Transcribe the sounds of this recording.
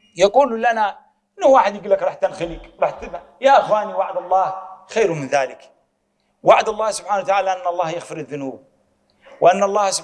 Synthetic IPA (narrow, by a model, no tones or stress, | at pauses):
jɑquːllana | ɪnːʊhwaːħɪd̪jɪɡulːakɾˤɑːħt̪anxɪliːkɾˤɑːħt̪ːɪba | jaʔɪxwaːniwaʕad̪ɑlˤːɑːhxajɾmɪnðaːlɪk | waʕd̪ɑlˤːɑːhsʊb̥ħaːnawat̪aʕaːlaʔanːɑlˤːɑːhjaɣfɪɾaðːʊnuːb̚ | wɪʔanːɑlˤːɑːhsʊ